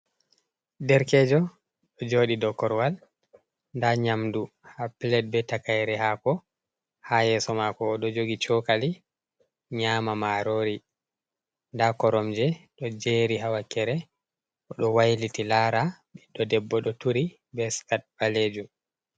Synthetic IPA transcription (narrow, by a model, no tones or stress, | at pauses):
dɛɾkɛd͡ʒɔ | ɗɔd͡ʒoːɗidɔkːɔɾwal | ndaɲamdu | haplɛt̚bɛtakajɾɛhakɔ | hajɛsɔmakɔːɗɔd͡ʒoɡit͡ʃɔkali | ɲaːmamaɾoːɾi | ndakɔɾɔmd͡ʒɛɗɔd͡ʒeɾiɦawakɛɾɛ | ʔɔɗɔwajlitilaːɾaɓɛɗɔdɛbːɔɗɔtuɾi | bɛskat̚baleːd͡ʒum